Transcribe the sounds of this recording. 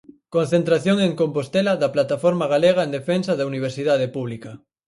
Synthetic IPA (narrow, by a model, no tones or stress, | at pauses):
kõnθent̪ɾaθjoŋeŋkompost̪elaðaplat̪afoɾmaɣ̞aleɣaend̪efensaðauniβ̞eɾsiðaðepuβ̞lika